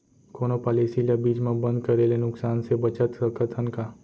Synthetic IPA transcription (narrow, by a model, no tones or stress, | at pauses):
koːnopaːliːsilabiːd͡ʒmẽbə̃nd̪kɐɾelenʊksaːnsebɐt͡ʃət̪əkət̪ʰənka